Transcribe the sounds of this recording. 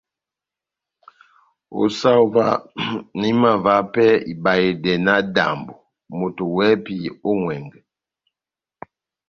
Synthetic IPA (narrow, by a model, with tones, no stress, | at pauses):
o̰˨sa˦u˦va̰˦ni˦ma˨va˦pɛ˦ḭ˨ba˨je˨dɛ˨na˦da̰˨mbo˨ | mo˨to˨wɛ˦pi˨o˦ŋwɛ˨ŋɡɛ˨